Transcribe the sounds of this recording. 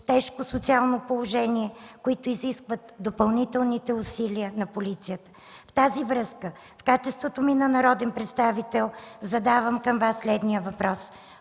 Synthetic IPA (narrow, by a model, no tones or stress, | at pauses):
t̪ɛʃkosot̪sialˠnopolˠoʒɛniɛkoit̪ʊiziskvət̪d̪opɐlˠnit̪ɛlˠnit̪ɛʊsiliənɐpolit̪sijət̪ə̥ | ft̪azivɾɤskə | fkat͡ʃɛst̪vot̪ominɐnɐɾɔd̪ɛnpɾɛt̪st̪avit̪ɛlˠzɐd̪avəmkəmvasːlɛd̪nijəvɐpɾɔs